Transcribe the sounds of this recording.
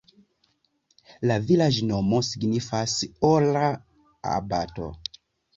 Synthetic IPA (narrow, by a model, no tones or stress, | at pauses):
lavilad͡ʒnomosiɡnifasola | a̰bato̰